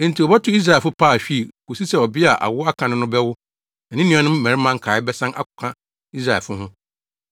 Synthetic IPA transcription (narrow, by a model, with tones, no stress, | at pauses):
n̩˨tʰi˨ɔ˨bɔ˦tʰʊ˦i˦s̬ɾa˨fʊ˦pʰaː˦˨ɕᶣi˦˨ku˨si˦sɛ˨ɔ˨bɪ˦a˨ʔa̰˨wʊ˦a˦kʰã˨nʊ̃˦nʊ̃˦bɛ˦wʊ˦ | ɛ˨nɪ̃˦nĩ˦ɔ̃˨nʊ̃˦mː˦æ̃˨ɾi˦mã˦ŋ̩˦kʰaː˨ɪ˦bɛ˦sã˦nʔa̰˦kʊ̥˨kʰã˦ | i˦s̬ɾa˨ɛ˨fʊ˦ɦʊ̃˦